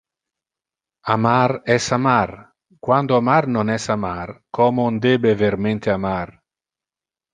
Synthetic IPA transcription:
amaɾɛsamar | kwand̪oamarnonɛsamarkɔmond̪ebeveɾment̪eamar

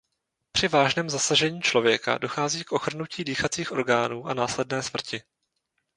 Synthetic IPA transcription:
pr̥ɪvaːʒnɛːmzasaʒɛɲiːt͡ʃlo̞vjɛka̰do̞xaːziːkʔo̞xr̩nuciːdiːxat͡siːxʔo̞ɾɡaːnuːʔanaːslɛdnɛːsmr̩cɪ

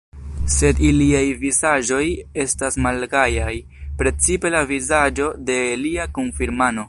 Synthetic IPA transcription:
se̞diliajvizaʒo̞je̞stasmalɡajaj | pɾe̞t͡sipe̞lavizad͡ʒo̞de̞liakonfiɾmano̞

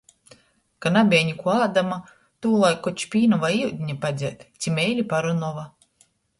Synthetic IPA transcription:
kanabʲiɛɲikuaːd̪ama | t̪uːlˠajkːɔt͡ʃpʲiːnɔvajiwd̪ʲɲapad̪zʲɛɛt̪t̪sʲimʲɛjlʲipaɾɔnɔva

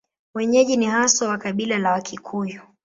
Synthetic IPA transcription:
wɛɲɛʄinihasɔwakaɓilalawakʰikʰuju

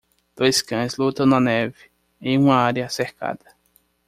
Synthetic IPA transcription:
d̪̥ojskɐ̃zlut̪ɐ̃w̃nɐnɛvɪ | ẽjũmɐaɾjɐːseɾka̰d̪ɐ

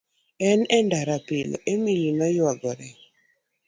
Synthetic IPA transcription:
ɛnɛndaɾapɪlemiɲinɔjwaɡɔɾɛ

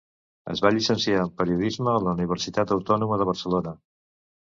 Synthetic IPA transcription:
ə̰zβaʎisənsiaəmpəɾiuðizməːləuniβ̞əɾsit̪at̪əwt̪ɔnuməðəβ̞ərsəlonə

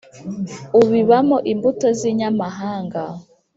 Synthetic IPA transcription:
uβiβamoʔimbutoziɲamaɦaːŋɡa

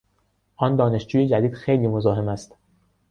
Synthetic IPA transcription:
ʔɒnd̪ɒːne̞ʃd͡ʒuːje̞d͡ʒæd̪iːd̪̥xejliːmozɒːɦe̞mæst̪

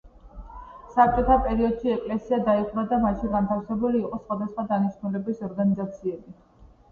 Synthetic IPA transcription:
sap̚t͡ʃʼɔt̪ʰapʼɛɾiɔd̪̥ʃiɛkʼlɛsiad̪aiχʼɾad̪amaʃiɡant̪ʰafsɛbuliːqʼɔsχwad̪asχwad̪aniʃnulɛbisɔɾɡanizat̪sʰiɛbi

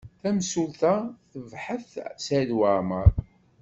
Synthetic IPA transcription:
θæmsulθæθəvħəθsælwaməɾˤ

